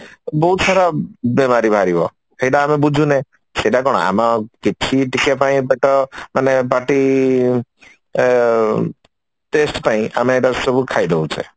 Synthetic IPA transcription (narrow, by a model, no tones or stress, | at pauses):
bɔɦut̪saɾabemaɾibʱaɾibɔ | eɖaːmebud͡ʒʱũne | seʈakɔɽ̃ɔ̰a̰makit͡ʃʰiʈikjapaĩbeʈɔmanepaʈi | ʈesʈpaĩʔameːʈasɔbukʰajd̪eut͡ʃʰe